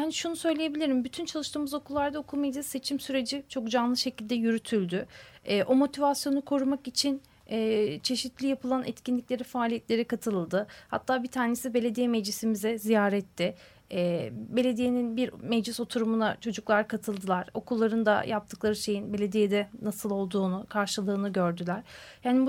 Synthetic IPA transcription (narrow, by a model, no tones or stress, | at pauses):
haniʃunusø̞jlʲeje̞bilʲiɾimbyt̪ʰynt͡ʃʰalˠɯʃt̪ɯːmɯzo̞kʰulˠːaɾd̪aokʰulˠmɛjd͡ʒʲise̞t͡ʃʰimsyɾe̞d͡ʒit͡ʃʰo̞k̚d͡ʒanlˠɯʃecʰilʲd̪ɛjyɾyt̪ʰylʲd̪yɛːʔo̞mo̞t̪ʰivasjo̞nukʰo̞ɾumakit͡ʃʰin | ɛt͡ʃʰe̞ʃit̪lʲijapʰɯlˠanʔɛ̰t̪cinlʲicʲlʲe̞ɾifaːlʲijɛt̪lʲe̞ɾikʰat̪ʰɯlˠlˠd̪ɯha̰t̪ʰːaːbit̪ʰaːne̞sibe̞lʲe̞d̪ijɛmɛd͡ʒlisimizɛzijaːɾɛt̪ʰːɪ | ɛːbe̞lʲe̞d̪ije̞ninbiɾmɛd͡ʒlʲiso̞t̪ʰuɾumunat͡ʃʰo̞d͡ʒuklˠaɾkʰat̪ʰɯlˠd̪ɯlˠaɾ̥o̞kulˠːaɾɯnd̪a̰jʔap̚t̪ʰɯklˠaɾɯʃe̞jinbe̞lʲe̞d̪ijed̪ɛnasɯlˠo̞lˠd̪uːnukʰaɾʃɯlˠɯːnɯɟø̞ɾd̪ylʲæɾ̥jaːnib